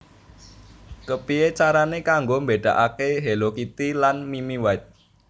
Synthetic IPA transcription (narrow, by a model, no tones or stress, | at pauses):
kəpiet͡ʃaɾanekaŋɡombeɖ̥ä̤̰ʔakeɦelokit̪ilanmimiwaɪt̪̚